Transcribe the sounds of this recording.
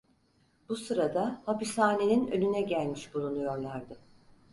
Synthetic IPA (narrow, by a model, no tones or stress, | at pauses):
b̥usɯɾad̪ahapishaːne̞ninø̰nynɛɟælʲmiʃbulˠunujo̞ɾlˠaɾd̪ɯ